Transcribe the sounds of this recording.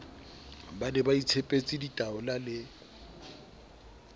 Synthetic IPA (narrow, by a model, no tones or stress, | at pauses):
banɛbait͡sʰepʼet͡sʼiditʼaʊlalɪ